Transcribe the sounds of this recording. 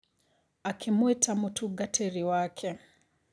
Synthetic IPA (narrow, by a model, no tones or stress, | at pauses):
akʰimwɛtʰamutʰuɡatʰɛɾiwakʰɛ